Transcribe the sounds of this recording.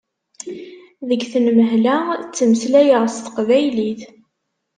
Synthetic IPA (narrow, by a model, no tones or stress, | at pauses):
ðəɡθənməɦlæt͡sːəməslæjəʁst̪ə̥qvæjliθ